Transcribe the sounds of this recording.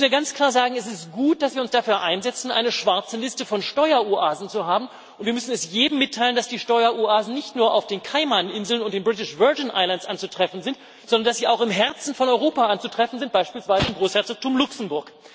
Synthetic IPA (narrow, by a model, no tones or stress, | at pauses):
sniːɐɡant͡skl̥aːɐzaːɡŋ̩ɛs̬ɪstɡ̥uːt̚d̥asv̥iːɐʊnsd̥afyːɐʔaɪnzɛt͡sn̩ʔa̰ɪnəʃv̥aɐt͡səlɪstəfɔnʃtɔʏɐuʔaːzn̩t͡suɦaːbm̩ | ʊntv̥iːɐmʏsn̩ɛsjeːbm̩ːɪtʰːaɪlənd̥asd̥iːʃtɔʏɐʔuaːzn̩nɪçtnuːɐʔa̰ʊfd̥eːnkʰaɪmanʔɪnzl̩nʊntd̥eːnbʁɪt̬ɪʃv̥œɐd͡ʒnʔa̰ɪlantsʔant͡sutʁ̥ɛfn̩zɪnt | z̥ɔndɐndasz̥iːaʊxɪmɦɛɐt͡sn̩fɔnɔʏʁoːpaʔant͡sutʁ̥ɛfn̩zɪnt̚b̥aɪʃpiːlsv̥aɪzəɪmɡʁoːshɛɐt͡sɔk̚tʰʊmlʊksm̩bʊɐk